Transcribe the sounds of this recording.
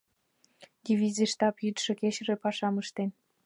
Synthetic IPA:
d̪ʲivʲizʲiʃt̪ɑpjyt̪ʃɤ̆keɕɾĕpɑʃɑməʃt̪en

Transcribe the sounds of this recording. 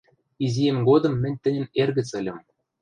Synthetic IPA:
izʲijemɡod̪ɤ̆mːɘ̆nʲt̪ɘ̆nʲɘ̆nerɣɘ̆t͡sɘ̆lʲɤ̆m

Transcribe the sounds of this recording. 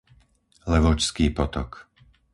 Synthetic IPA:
lɛʋɔt͡ʃskiːpɔt̪ɔk

